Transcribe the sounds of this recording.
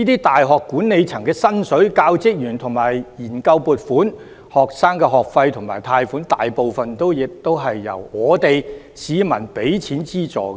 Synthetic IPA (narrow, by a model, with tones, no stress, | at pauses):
iː˥t̪iː˥t̪aː˨jɦɔː˨kːuː˨˥nne˨˧jt͡sʰɐ˨˩ŋkɛː˧sɐ˥nsɵ˨˥ɥkaː˧wt͡sɪ˥k̚jyː˨˩nt̪ʰʊ˨˩ŋmaː˨˩jjiː˨˩nkɐ˧wpuː˨˧t̚fuː˨˥n | hɔː˨k̚saː˥ŋkɛ˧ɦɔː˨k̚fɐ˧jt̪ʰʊ˨˩ŋmaː˨˩jt̪ʰaː˧jfuː˨˥nt̪aː˨jpo˨˧wfɐ˨nt̪o˥wjɪ˨k̚t̪o˥wɦɐ˨jːɐ̰˨˩wŋɔː˨˧t̪e˨j | siː˨˧mɐ̰˨˩npe˨˥jt͡sʰiː˨˥nt͡siː˥t͡sɔ̰ː˨k